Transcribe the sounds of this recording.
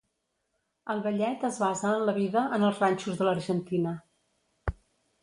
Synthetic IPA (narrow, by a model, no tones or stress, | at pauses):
əlˠβəʎɛt̪əzβazəːnləβ̞iðəʔənəlˠzranʲt͡ʃuzðələɾʒənt̪inə